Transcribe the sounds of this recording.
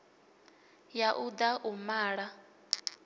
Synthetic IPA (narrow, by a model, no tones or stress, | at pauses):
jaʔud̪aʔumaːɺa